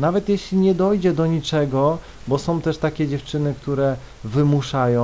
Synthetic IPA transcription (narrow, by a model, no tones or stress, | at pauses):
navɛt̪jɛɕlʲiɲɛd̪ɔjd͡ʑɛd̪ɔɲit͡ʂɛɡɔ | bɔsɔ̃w̃t̪ɛʂt̪akʲɛd͡ʑɛft͡ʂɘnɘkt̪uɾɛ | vɘmuʂajɔ̃